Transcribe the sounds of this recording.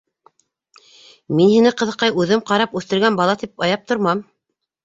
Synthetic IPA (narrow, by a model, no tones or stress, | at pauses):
minhinɘqɤ̆ðɤ̆qːɑjʉðɘmqɑɾɑpʉθt̪ɘ̆ɾɡænbɑlˠɑt̪ipɑjɑp̚t̪ŏɾmɑm